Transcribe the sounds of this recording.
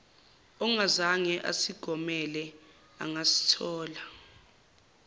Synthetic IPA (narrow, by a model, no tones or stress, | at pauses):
ɔŋazaŋɛʔa̰siɡ̥ʱɔmɛlɛ | a̰ŋasi̥tʰɔːla